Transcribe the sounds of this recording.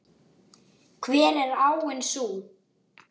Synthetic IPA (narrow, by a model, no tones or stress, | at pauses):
kʰvɛːɾɛɾaːwɪnsuː